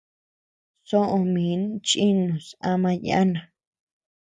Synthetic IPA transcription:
so˦ʔõ˧mĩ˨˦nt͡ʃi˦nũ˨sa˧mã˧ja̰˦nã˨

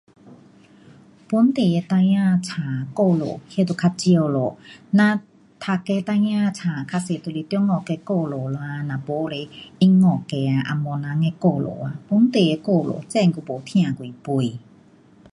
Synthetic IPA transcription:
pu˧˦nt̪e˨jɛ˧t̪a˧jã˧t͡sʰaː˨ko˧˨lo̰˨he˧˦t̪o˧˨kʰa˧t͡ɕi˧ə˧˨lo˨nã˧˦ | t̪ʰa˧kɛ˧˦t̪a˧jã˧˨t͡sʰa˨kʰa˧se˨t̪o˧˨li˧t̪jŋɔ˨kɛ˧˦ko˧˨lo˨lo˧a˧na˨bo˧˦˧le˧˨i˦ŋɔ˨kɛ˧a˨ʔa̰˧mɔ˧˨na˧˦ŋɛ˧˦ko˧˨lo̰˨a˨pu˧˦nt̪e˨jɛ˧˦ko˥˧˨lo̰˨t͡sɛ˥˧˨ŋku˧˨bo˨t̪ʰĩ˧ã˨kwi˨pu˧˨j

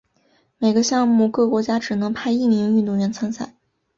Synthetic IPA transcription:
me˨˩ɪɡə˧˦ɕjɑ˥˧ŋmu˥˩kɤ˥˩kwɔ˧˥t͡ɕja˥ʈ͡ʂɻ̩˨˩nɤ˧˥ŋpʰa˥˧ɪi˥˩mi˧˥ŋy˥˧t̪ʊ˥˩ŋɥɛ˧˥nt͡sʰa˥nsa˥˩˦ɪ

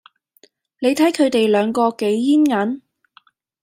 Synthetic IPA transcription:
ne˨˧jt̪ʰɐ˨˥jkʰɵ˨˧ɥt̪e˨jlœː˨˧ŋkɔː˧ke˨˧˥jjiː˥nŋɐ˨˥n

